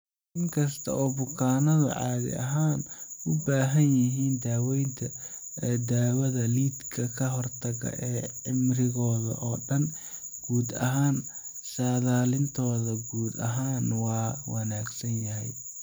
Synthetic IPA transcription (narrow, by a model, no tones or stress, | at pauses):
ʔɪŋkʰɐst̪ʰɐ̰ʔɔːbʊkʰaːnɐðʊ̰ʕɑ̰ːðɪ̰ɐ̰ɦaːnʔʊbaːɦɐnjɐɦiːnd̪aːwɛjnt̪ʰɐ | d̪aːwɐðɐliːd̪kʰɐkʰɐɦɔrt̪ʰɐɣɐ̰ʔɛːʕɪmrɪɣɔːðɐ̰ʔɔːɖɐn | ɡ̥uːd̪ɐ̰ɦaːn | saːðaːlɪnt̪ʰɔːðɐɡuːd̪ɐ̰ɦaːnwɑːwɐnaːɡsɐnjɐɦɛj